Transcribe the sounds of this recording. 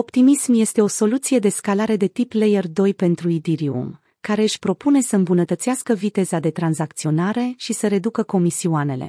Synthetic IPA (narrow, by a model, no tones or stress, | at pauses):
o̞pt̪imismje̞st̪e̞o̞so̞lut̪sije̞d̪e̞skalaɾe̞d̪e̞t̪iplejerd̪o̞jpe̞nt̪ɾuid̪iɾiṵm | kaɾe̞ɨʃʲpɾo̞pune̞səɨmbunət̪ət̪siaskəvit̪e̞zad̪e̞t̪ɾanzak̚t̪sio̞naɾe̞ʃisəɾe̞d̪ukəko̞misiuane̞̰lḛ